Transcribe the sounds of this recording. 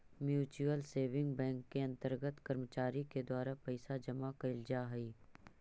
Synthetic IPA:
mjuːt͡ʃuəlseːʋɪ̃ŋɡbɛ̃ːŋkːeɐ̃nt̪əɾɡət̪kɐɾmət͡ʃaːɾiked̪waːɾapɐɪsad͡ʒɐmakɐɪld͡ʒaːɦɐiː

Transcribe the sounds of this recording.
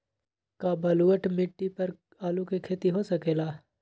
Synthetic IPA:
kabɐluəʈmɪʈːipɐɾ | aːlukekʰeːt̪iɦosɐkeːlaː

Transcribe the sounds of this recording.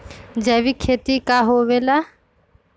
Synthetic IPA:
d͡ʒɛʋikʰeːt̪ikaɦoʋela

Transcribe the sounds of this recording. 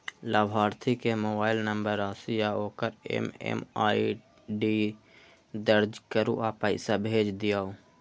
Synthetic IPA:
laːbʱaːɾt̪ʰikemoːbaːɪlnəmbəɾaːsijaoːkəɾḛmḛmaːi | ɖi | d̪əɾd͡ʒkəɾṵʔaːpəɪsabʱeːd͡ʒd̪ɪjaːo

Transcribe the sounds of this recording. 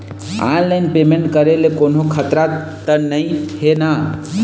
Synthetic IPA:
a̰nlajnpemeɳʈkəɾelekonokʰət̪ɾa | t̪ənəjhena

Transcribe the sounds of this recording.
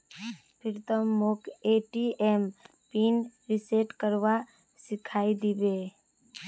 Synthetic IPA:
pʰɪɾt̪əmːokeːʈiʔem | piːnɾɪseʈkəɾwa | sɪkʰaːid̪ibeː

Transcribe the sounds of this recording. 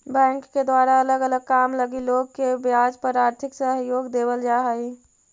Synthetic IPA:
bɛ̃ːŋkːed̪waːɾaələɡələɡ̚kamləɡiloɡkebjad͡ʒpəɾaːɾt̪ʰɪksəɦjoːɡd̪eːbəld͡ʒaɦəi

